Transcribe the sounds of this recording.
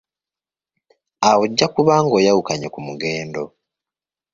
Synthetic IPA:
awoɟːakuβaːŋɡo̞ːjawukaɲekumuɡe̞ːndo

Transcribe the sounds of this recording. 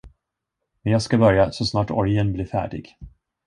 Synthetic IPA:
mɛnjɑːɡskabœɾjasɔsnɑːʈɔ̰ɾjənblɪɾfæ̰ːɖɪ̰ɡ̥

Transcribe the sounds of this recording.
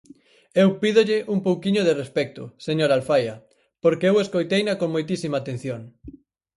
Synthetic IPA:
ewpiðoʎɪʔumpowkiɲoðerespɛk̚t̪ʊseɲoɾalfajɐ | poɾkeeweskojt̪ejnɐkoŋmojt̪isimaːt̪en̟θjoŋ

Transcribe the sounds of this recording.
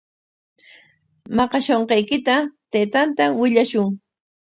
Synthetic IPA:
mɑqɑʃoɴqɑjkɪt̪at̪ejt̪ant̪awɪʎaʃʊŋ

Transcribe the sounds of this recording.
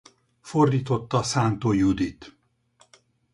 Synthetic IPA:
fo̞rd̪iːt̪o̞t̪ːɒsaːnt̪oːjud̪it̪

